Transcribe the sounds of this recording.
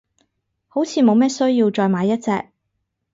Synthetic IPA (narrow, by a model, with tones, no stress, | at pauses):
ho˨˥wt͡sʰiː˨˧mo˨˧wmɛː˥sɵ˥ɥjiː˧wt͡ʃɔː˧jmaː˨˧jːɐ˥t̚t͡sɛː˧k̚